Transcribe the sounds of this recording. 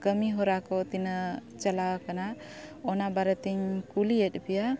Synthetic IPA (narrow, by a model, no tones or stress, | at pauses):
kəmiɦɔɾakɔt̪inət͡ʃalakana | ɔnabaɾət̪iɲkuliɛt̪̚pija